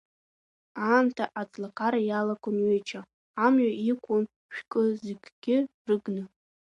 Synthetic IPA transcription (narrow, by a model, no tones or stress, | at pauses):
aːmtʰaʔat͡sʼlakʰʼaɾajalakʼonɥejt͡ʃʰaː | mɥaikʷʼʊn | ʃᶣkʼɨzeɡʲɡ̥ʲɪrɨɡnɨ